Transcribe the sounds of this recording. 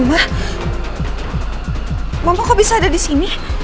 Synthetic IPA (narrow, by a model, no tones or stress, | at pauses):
mah | mamakabisaːdadisini